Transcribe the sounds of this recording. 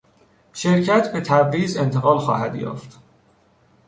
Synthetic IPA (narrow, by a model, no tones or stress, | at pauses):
ʃe̞ɾcʰæt̪ʰbe̞t̪ʰæbɾiːze̞nt̪ʰe̞ɣɒːlxɒ̰ːhæ̰d̪jɒ̰ːft̪